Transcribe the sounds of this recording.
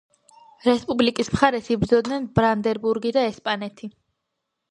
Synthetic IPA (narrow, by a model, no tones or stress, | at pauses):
ɾɛspʼublikʼismχaɾɛsibd̪zɔd̪nɛnbɾand̪ɛɾbuɾɡid̪aɛspʼanɛt̪ʰi